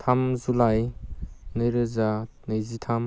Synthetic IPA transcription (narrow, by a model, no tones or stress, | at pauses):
tʰamzulaj | nɯjɾɯzanɯjzitʰam